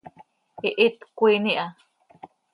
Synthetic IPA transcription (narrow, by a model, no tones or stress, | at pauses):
iʔit̪kʷiniʔa